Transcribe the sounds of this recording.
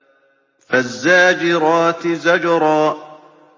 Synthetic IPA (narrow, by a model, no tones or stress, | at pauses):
fazːaːd͡ʒɪɾˤɑːt̪ɪzad͡ʒɾˤɑː